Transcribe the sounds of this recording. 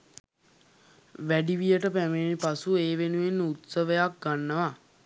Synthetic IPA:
ʋæɖiʋijəʈəpæmenipasueːʋenuenːut̪səʋəjak̚ɡanːəʋa

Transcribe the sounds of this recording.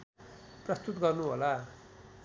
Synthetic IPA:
prʌst̪ut̪ɡʌrnuɦo̰la

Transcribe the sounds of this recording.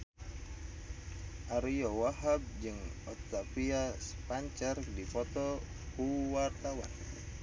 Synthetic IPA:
ʔaɾijɔwaɦab̚d͡ʒɨŋɔt̪apiasə̥paɲt͡ʃardipɔt̪ɔ | kuwart̪awa̰n

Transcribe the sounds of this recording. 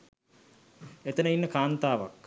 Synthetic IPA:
et̪ənəinːəkaːnt̪aːʋa̰k

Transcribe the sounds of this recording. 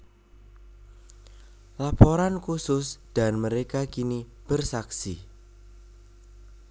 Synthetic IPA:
lapoɾankusʊsd̪̥a̤nməɾekakini | b̥ərsaksi

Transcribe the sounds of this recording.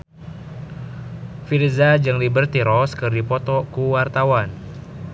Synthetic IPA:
firzad͡ʒɨŋlibərt̪iɾɔskɨrdipɔt̪ɔkuwart̪awan

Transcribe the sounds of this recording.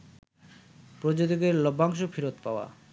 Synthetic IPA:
pɾod͡ʑot̪iɡeɾlɔbʱaŋʃ̬ofiɾot̪paoa̰

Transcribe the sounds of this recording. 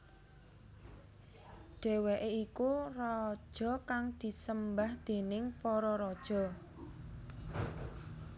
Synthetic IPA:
ɖ̥e̤weʔeikurɔd̥ʒ̥ɔ̤kaŋd̪̥i̤səmbahd̪̥e̤nɪŋpɔɾɔɾɔd̥ʒ̥ɔ̤

